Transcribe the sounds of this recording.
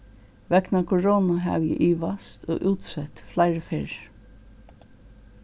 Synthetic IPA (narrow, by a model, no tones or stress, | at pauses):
ʋɛknakʰɔɹoːnaɦæ̰ʋjɪ̰ʔiːʋast̪o̰ːʔuːt̪sɛt̪flaɪɹəfɪɹ